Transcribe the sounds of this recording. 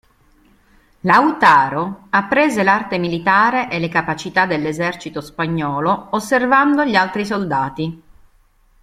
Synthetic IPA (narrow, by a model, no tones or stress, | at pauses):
lawt̪aːɾoapːɾeːzelart̪emilit̪aːɾeʔelekapat͡ʃit̪ad̪elːezɛrt͡ʃit̪ospaɲːɔːloosːervand̪oʎialt̪ɾis̬old̪aːt̪i